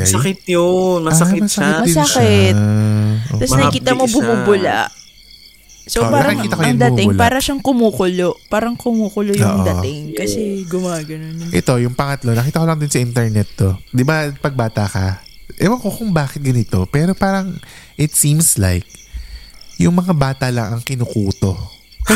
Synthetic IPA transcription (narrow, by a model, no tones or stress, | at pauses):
jɐkɪt̪omɐsɐmɐsɐmɐskɛt̪ot̪ːɐsnɐkikiːt̪ɐmobʊmubʊla̰ʔ | sopanɐɾɐiiːt̪ɐkojʊŋd̪ɐmɪlpaːɾɐʃaŋkʊmuːkʊlopaːɾɐŋkʊmuːkʊlojoʊ̰ːʔŋod̪ɐt̪ɪŋkɐsɛɡʊmaːɡɐnonʔɛt̪o̞jʊŋpɐŋɐt̪lo̞nɐkiːt̪ɐkolɐŋd̪onsɐʔɪnt̪ɛɹnɛt̪ːo̞d̪ɪbapɐɡ̚baːt̪ɐkɐ | ʔɛwɐŋkokʊŋbaːkɪt̪̚ɡɐnɪt̪o̞pɛːɾopaːɾɐŋʔɪt̪siːmsla̰jk̚ | jʊŋmɐŋabaːt̪ɐlɐŋɐŋkɪnʊkuːt̪o̞